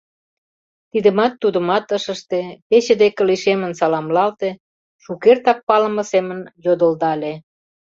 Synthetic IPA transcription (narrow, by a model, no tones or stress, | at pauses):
t̪id̪ə̆mɑt̪ːud̪ə̆mɑt̪əʃə̆ʃt̪epet͡ɕəd̪ekə̆liʃemə̆nsɑlɑmlɑlt̪e | ʃukert̪ɑk̚pɑlə̆mə̆semə̆njod̪ə̆ld̪ɑle